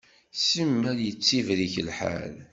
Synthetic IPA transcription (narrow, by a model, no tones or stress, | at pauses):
səmːæɾjət͡sːivɾiçəlħa̰l